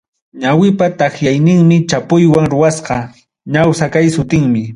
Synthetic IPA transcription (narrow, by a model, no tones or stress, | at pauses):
ɲawɪpat̪aχjajnɪŋmɪt͡ʃapʊjwaŋɾʊwasqɑ | ɲawsakajsʊt̪ɪŋmɪ